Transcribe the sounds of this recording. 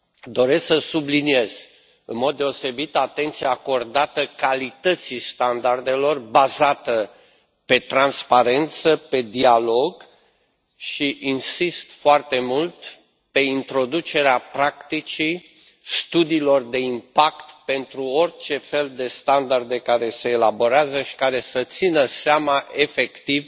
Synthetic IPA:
d̪o̞ɾe̞sksəsublinie̞z̥ | ɨnmo̞d̪̚ːe̞o̞se̞bit̪at̪e̞nt̪sijaːko̞rd̪at̪əkalit̪ət̪sist̪and̪ard̪e̞lo̞rbazat̪ə | pe̞t̪ɾanspaɾe̞nt̪səpe̞d̪ialo̞ɡ | ʃiʔinsist̪foart̪e̞mult̪ | pe̞int̪ɾo̞d̪ut͡ʃe̞ɾeapɾakt̪it͡ʃi | st̪ud̪iːlo̞rd̪e̞impakt̪pe̞nt̪ɾuo̞rʲt͡ʃe̞fe̞ld̪e̞st̪and̪ard̪e̞kaɾe̞se̞ːlabo̞ɾeazəʃi̥kaɾe̞sət̪sinəseamaʔe̞fe̞kt̪iv

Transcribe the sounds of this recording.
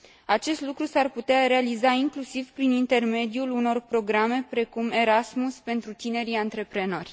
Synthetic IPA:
at͡ʃe̞st̪lukɾusarput̪eaɾe̞alizaiŋklusivpɾinint̪e̞rme̞d̪iuluno̞rpɾo̞ɡɾame̞pɾe̞kume̞ɾasmuspe̞nt̪ɾut̪ine̞ɾiant̪ɾe̞pɾe̞no̞rʲ

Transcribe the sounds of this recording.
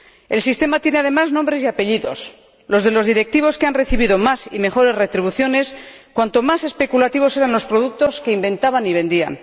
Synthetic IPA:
e̞lsist̪e̞mat̪je̞ne̞aðe̞maznombɾe̞siape̞ʎiðo̞̰s | lo̞zðe̞lo̞zðiɾe̞k̚t̪iβ̞o̞skeanre̞θiβiðomasime̞xo̞ɾe̞zre̞t̪ɾiβ̞uθjo̞ne̞skwant̪o̞mase̞spe̞kulat̪iβ̞o̞se̞ɾanlo̞spɾo̞ðuk̚t̪o̞ske̞imbẽ̞nt̪aβaniβe̞nd̪ia̰n

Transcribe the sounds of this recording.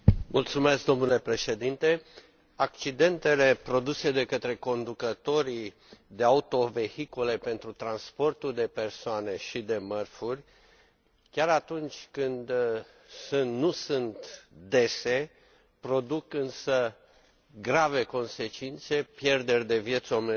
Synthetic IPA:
mult̪sume̞skd̪o̞mnule̞pɾe̞ʃe̞d̪int̪e̞ | ak̚t͡ʃid̪e̞nt̪e̞le̞pɾo̞d̪use̞d̪e̞kət̪ɾe̞ko̞nd̪ukət̪o̞ɾi | d̪e̞aut̪o̞ve̞hikule̞pe̞nt̪ɾut̪ɾanspo̞rt̪uld̪e̞pe̞rsoane̞ʃid̪e̞mərfurʲ | kʲaɾat̪unt͡ʃʲkɨnd̪ | sunt̪nusunt̪d̪e̞se̞ | pɾo̞d̪ukɨnsə | ɡɾave̞ko̞nse̞t͡ʃint̪se̞pje̞rd̪e̞rʲd̪e̞vje̞t̪some

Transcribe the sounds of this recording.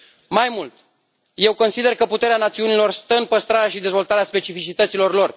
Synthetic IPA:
majmult̪ | je̞wko̞nsid̪e̞rkəput̪e̞ɾeanat̪siunilo̞rst̪əɨnpəst̪ɾaɾeaʃid̪e̞zvo̞lt̪aɾeaspe̞t͡ʃifit͡ʃit̪ət̪silo̞rlo̞r

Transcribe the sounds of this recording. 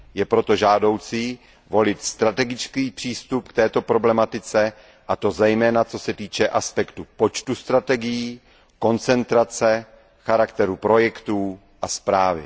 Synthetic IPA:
jɛpɾo̞t̪o̞ʒaːdo̞wt͡si | vo̞lɪt̪st̪ɾat̪ɛɡɪt͡skiːpr̝̥iːst̪upkt̪ɛːt̪o̞pɾo̞blɛmat̪ɪt͡sɛ | ʔat̪o̞zɛjmɛːnat͡so̞sɛt̪iːt͡ʃɛʔaspɛkt̪upo̞t͡ʃt̪ust̪ɾat̪ɛɡɪjiː | ko̞nt͡sɛnt̪ɾat͡sɛ | xaɾakt̪ɛɾupɾo̞jɛkt̪uː | ʔaspɾaːvɪ̰

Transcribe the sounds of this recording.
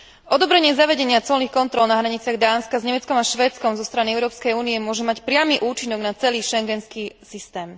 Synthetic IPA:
ʔɔd̪ɔbɾɛɲɪɛzaʋɛɟɛɲɪat͡sɔlnixkɔnt̪ɾɔlnaɦɾaɲit͡sɪaɣd̪aːnskazɲɛmɛt͡skɔmaʃʋɛːt͡skɔmzɔst̪ɾaniɛʊɾɔːpskɛjuːniɛmʊɔʒɛmacpɾɪamiʔuːt͡ʃinɔɡnat͡sɛliːʃɛŋɡɛnskiːsist̪ɛːm

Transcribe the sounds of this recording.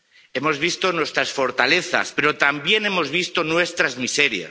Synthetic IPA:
e̞mo̞zβ̞ist̪o̞nwe̞st̪ɾasfo̞ɾt̪ale̞θa̰spe̞ɾo̞t̪ambje̞ne̞mo̞zβist̪onwe̞st̪ɾazmise̞ɾja̰s

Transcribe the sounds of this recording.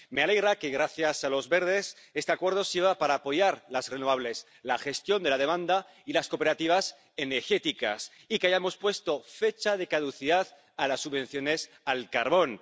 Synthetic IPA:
me̞ale̞ɣɾakeɣɾaθjasalo̞zβe̞ɾð̞e̞s | e̞st̪eakwe̞ɾð̞o̞siɾβapaɾaːpo̞ʝaɾlazre̞noβ̞aβ̞le̞s | laxe̞st̪jo̞nd̪elað̞e̞mãnd̪a | ilasko̞pe̞ɾat̪iβ̞as | e̞neɾxe̞t̪ika̰s | ikeaʝamo̞spwe̞st̪o̞fe̞t͡ʃað̞e̞kaðuθiðað | alasːuβẽ̞nθjo̞ne̞s | alkaɾβo̞n

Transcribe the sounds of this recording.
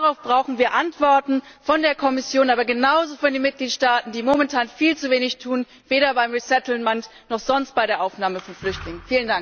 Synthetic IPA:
daʁaʊfb̥ʁaʊxn̩viːɐʔantv̥ɔɐtn̩fɔndeːɐkʰɔmɪsjoːnʔaːbɐɡənaʊzofyɐdiːnmɪt̚ɡ̥liːtʃtaːtn̩diːmomɛntʰaːnfiːlt͡suveːnɪçtʰuːn | veːɾɐbaɪmʁisɛtl̩mant | nɔχz̥ɔnst̚b̥aɪɾeːɐʔaʊfnaːməfɔnflʏçtlɪŋənnfiːləndaŋk

